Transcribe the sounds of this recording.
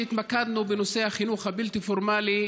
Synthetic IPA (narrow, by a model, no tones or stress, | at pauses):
it̪makad̪nubeno̞se̞haχinuχhabilt̪ifoʁmali